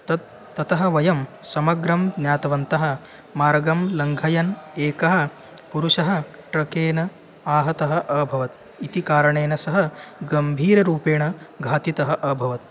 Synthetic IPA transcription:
t̪ɐt̪̚ː | ɐt̪ɐɦɐ̆ʋɐjɐmsɐmɐɡɾɐmd̪nʲjaːt̪ɐʋɐnt̪ɐɦɐ̆ | maːɾɡɐmlɐŋɡʱɐjɐneːkɐɦɐ̆ | puɾuʂɐɦɐ̆ʈɾɐkeːnɐ | aːɦɐt̪ɐɦɐ̆ʔɐbʱɐʋɐt̪ | it̪ikaːɾɐɳeːnɐsɐɦɐ̆ɡɐmbʱiːɾɐɾuːpeːɳɐɡʱaːt̪it̪ɐɦɐ̆ʔɐbʱɐʋɐt̪̚

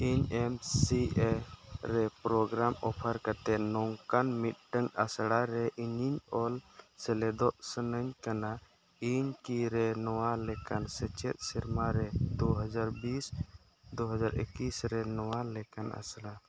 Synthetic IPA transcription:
iɲɛmsiɛɾɛpɾɔɡɾamɔpʰəɾkat̪ɛʔnɔŋkanmit̪̚ˀɖəŋasɽaɾɛʔiɲiɲɔlsɛlɛd̪ɔʔsənəɲkana | iɲkiɾɛnɔwalɛkansɛt͡ʃɛt̪̚ˀsiɾmaɾɛd̪uɦad͡ʒaɾbis | d̪uɦad͡ʒaɾʔḭkisɾɛnɔwalɛkana̰sɽa

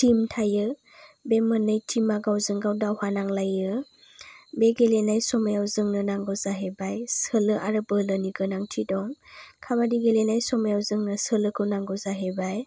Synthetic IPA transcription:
timtʰajɯ | bemɯnɯjtʰimaɡawzɯŋɡawdawhanaŋlajɯ | beɡelenajsɔmajawzɯŋnɯnaŋɡɔwzaɦebajsɯlɯʔaɾɯbɯlɯniɡɯnaŋtʰidɔŋkʰabadiɡelenajsɔmajawzɯŋnɯsɯlɯkʰɯwnaŋɡɔwzaɦebaj

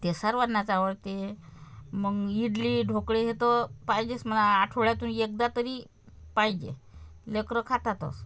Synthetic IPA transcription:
t̪esaɾʋanat͡saʋəɾt̪e | məɡiɽliːɖʱokɽeɦet̪əpajd͡ʑesmənaːʈʰəɭjat̪uːnek̚d̪at̪əɾiː | pajd͡ʑḛlekɾəkʰat̪at̪ə̰s

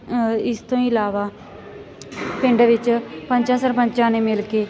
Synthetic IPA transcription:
ɪst̪õːĩːlaːʋaː | pɪ̃ɳɖʋɪt͡ʃpəɲt͡ʃãːsəɾpəɲt͡ʃãːneːmɪlkeː

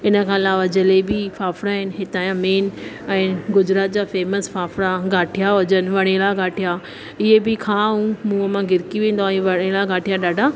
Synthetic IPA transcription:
ɪnə̆kʰãːɪlaːʋad͡ʑəlebɪfaːfɽaɦɪnɦɪt̪aːjãmeːn | ɛ̃ːɡʊd͡ʑɾaːt̪̚d͡ʑaːfeːməsfaːfɽaɡaːʈʰijaɦʊd͡ʑənɪ̆ʋɐɽ̃elaɡaːʈʰija | ɪɦebɪkʰaɦũmũəmãɡɪɾkiʋẽːn̆d̪oaːẽʋɐɽ̃elaɡaːʈʰijaɗaːɖʱa

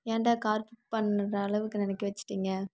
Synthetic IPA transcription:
jeːɳɖaːkaːɾpɪʈpɐɳːɾɐːɭɐʋɯkːɯnɛnɛkːiʋɐt͡ʃːɯ̥ʈːiːŋɡɐ

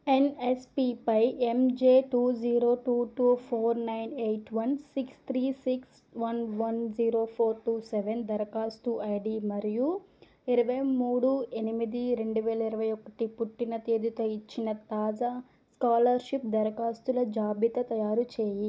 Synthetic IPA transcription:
enespipɐjemd͡ʒeːʈuːd͡ʒiːɾoːʈuːʈuːpʰoːɾnɐjnejʈʋɐnsikst̪ʰɾiːsiks | ʋɐnʋɐnziːɾo̞ːpʰoːɾʈuːseʋend̪ɐɾɐkaːst̪uʔɐjɖimɐɾiju | iɾɐʋɐjmuːɽue̞nimid̪iɾe̞ɳɖuʋɛːlɐiɾɐʋɐjɔkɐʈipuʈːinɐt̪eːd̪ut̪oːit͡ʃːinɐt̪aːd͡ʒaː | skaːlɐɾʃip̚d̪ɐɾɐkaːst̪ulɐd͡ʒaːbit̪ɐt̪ɐjaːɾut͡ʃeːji

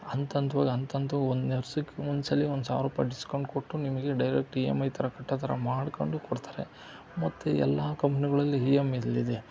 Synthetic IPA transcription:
ɐnt̪ɐnt̪ɐʋaːɡɐnt̪ɐnt̪ɐːond̪neɾsukːeond̪sɐlːiond̪usa̰ːɾuːpɐɖiskɐwɳɖko̞ʈːunimɐɡe̞ɖɐjɾek̚ʈiːḛmɐjt̪ʰɐɾɐkɐʈːɐt̪ʰɐɾɐ̰maːɽkoɳɖukoɽt̪ʰaːɾḛ | mɐt̪ːeɛ̰lːaːkɐmpɐniɡɐɭɐlːiɦijemiɐlːid̪e

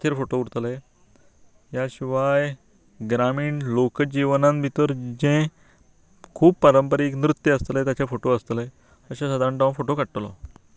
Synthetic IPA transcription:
t̪ʰeɾfoʈouɽt̪le | ɦjaɕiʋaj | ɡɾamiːɳlokəd͡ʑiʋnãmbʱit̪əɾd͡ʑẽ | kʰuːb̚pəɾəmpəɾiːknɾut̪jəəst̪let̪jat͡ɕjafoʈoəst̪le | əɕasəd̪ʱaɾəɳʈãfoʈokəɽʈ̪lɔ̰

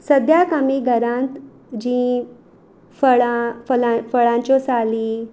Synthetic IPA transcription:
səd̪ʱjakamiːɡʱəɾãnt̪ | d͡ʑĩ | fəɭafəlafəɭãɲt͡ɕɔsali

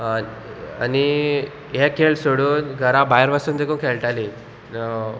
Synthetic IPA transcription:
a̰ni | jɛkʰeɭsoɽuːnɡʱəɾãbajəɾʋasuːnd̪ekũːnkʰeɭʈaliː

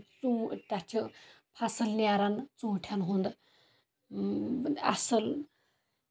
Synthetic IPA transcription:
t͡sut̪atʰi | pʰasɨlnʲaɾant͡sũːʈʰanɦund̪ | a̰sɨl

